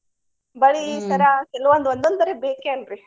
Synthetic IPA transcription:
bɐɭisɐɾakɛlʋɐnd̪uond̪ond̪ɐɾebeːkeɐnɾi

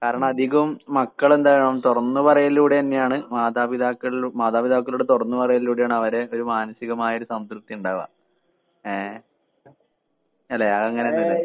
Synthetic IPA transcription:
kaːɾɐɳɐmɐd̪ʱiɣɐʋumːɐkːɐɭe̞nd̪aːjɐɳɐmt̪urɐnːupɐrɐjɐlːuːɽeɐnːejaːɳɨmaːd̪aːbid̪ʱaːkːɐɭumaːðaːbid̪ʱaːkːɐlɭuɽet̪urɐnːupɐrɐjɐlːuːɽejaːɳɐʋɐɾe̞o̞ɾumaːnɐsiɣɐmaːjɐoɾusɐmt̪rut̪ːijuɳɖaːuʋa̰ | e | ɐlːeɐɣɐŋːɐne̞ɐnːɐðɨ

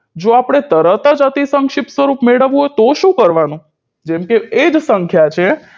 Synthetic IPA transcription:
d͡ʒoapɽ̃et̪əɾət̪ad͡ʒat̪isəŋkʃɪp̪sʋəɾupmeɽəʋũɦojt̪oʃũkəɾʋanũ | d͡ʒɛmkeːd͡ʒsəŋkʰjat͡ʃʰe

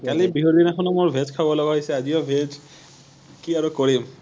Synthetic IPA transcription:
kalibiɦud̪inakʰɔnɔmʊɹbʱed͡ʒkʰabɔlɔɡaɦɔjsɛazijɔbʱed͡ʒ | kiaɹukɔɹim

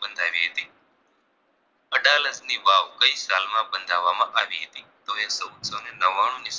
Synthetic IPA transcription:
ɓənd̪ʱaːʋiɦet̪iː | əɗaːləsniːʋaːʋkəiːsaːlmãːɓənd̪ʱaːʋaːmãʔaːʋiɦet̪it̪ɐʋjasɐut̪səːnenɐʋaːɳ̃ũnis

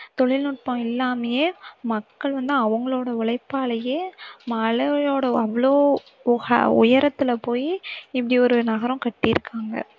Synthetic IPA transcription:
t̪ɔɭɪlnʊʈ̚põɪlːaːmɐjeːmɐkːɐɭʋɐnd̪ɯ̃ɐʋɐŋɡɐɭoːɽɐʋɪɭɐɪpːaːɭɐjeːmɐlɐjoːɽɐɐʋːɐɭoː | ɐ̰ʊ̰jɐɾɐt̪ːɪlɐpoːjiɪpːɐɽiɔɾɯnɐɣɐɾɐ̃mkɐʈːɪɪɾɯkːaːŋɡɐ̰

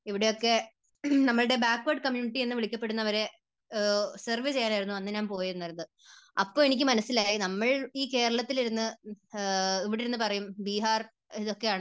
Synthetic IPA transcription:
iʋiɽe̞jo̞kːe̞ | nɐmːɐɭɨɽe̞baːkːʋɐrɖkɐmjuːniʈːienːɨʋiɭikʲːɐpːe̞ɽunːɐʋɐɾe̞ | serʋit͡ɕe̞jaːnaːjɾunːuɐnːɨɲaːmpo̞ːjiɾunːaːiɾunːðɨ | ɐpːoːenikʲːɨmɐnɐsilaːjinɐmːɐɭiːke̞ːɾɐɭɐt̪ːiliɾunːɨ | iʋiɽeɾunːɨpɐrɐjumbiːɦaːr | iðo̞kːe̞jaːɳɨ

